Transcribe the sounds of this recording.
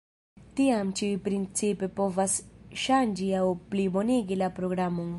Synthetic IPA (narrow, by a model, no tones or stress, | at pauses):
t̪ijaːmt͡ʃipɾinsipepoʋɐsʃaːnd͡ʒijaupliboniɡilapɾoːɡɾaːmuŋ